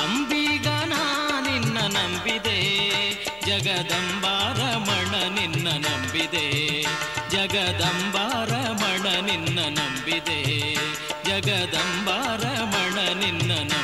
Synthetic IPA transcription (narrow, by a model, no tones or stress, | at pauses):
ɐmbiɡaːnaninːɐnɐmbid̪eː | d͡ʒɐɡɐd̪ɐmbaːɾɐmɐɳɐninːɐnɐmbid̪eː | d͡ʒɐɡɐd̪ɐmbaːɾɐmɐɳɐninːɐnɐmbid̪eː | d͡ʒɐɡɐd̪ɐmbaːɾɐmɐɳɐninːɐnɐ